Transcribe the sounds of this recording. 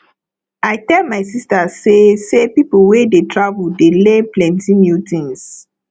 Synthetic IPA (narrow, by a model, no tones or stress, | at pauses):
ajtɛlmajsistasesepipowedetɹavudeleplɛ̃ntĩmjutĩns